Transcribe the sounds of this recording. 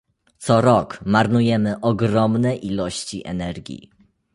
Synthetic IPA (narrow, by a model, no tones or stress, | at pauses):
t̪sɔɾɔkmaɾnujɛmɘʔɔɡɾɔmnɛʔilɔɕt͡ɕḭʔɛ̰nɛɾɡʲjḭ